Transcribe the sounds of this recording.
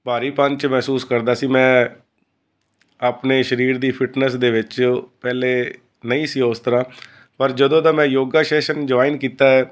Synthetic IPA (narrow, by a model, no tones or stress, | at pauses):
baːɾiːpəɲt͡ʃmɛːsuːskəɾd̪aːsiːmɛ̃ː | aːpneːʃəɾiːɾd̪iːpʰɪʈnəsd̪eːʋɪt͡ʃpɛːleː | nəĩːsiːʊst̪əɾãː | pəɾd͡ʒəd̪õːd̪aːmɛ̃ːjoːɡaːʃeːʃənd͡ʒʊʋaːɪnkiːt̪aːɛː